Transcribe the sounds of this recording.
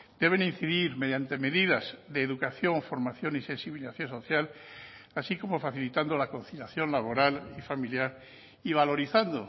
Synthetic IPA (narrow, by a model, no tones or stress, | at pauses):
d̪̥e̞β̞e̞nin̟θiðiɾme̞ðjant̪e̞me̞ðiðazðe̞ːðukaθjo̞ɱfo̞ɾmaθjo̞nise̞nsiβiliθaθjo̞nso̞θjalasiko̞mo̞faθilit̪and̪olako̞nθiʎaθjo̞nlaβ̞o̞ɾalifamiljaɾ | iβ̞alo̞ɾiθand̪o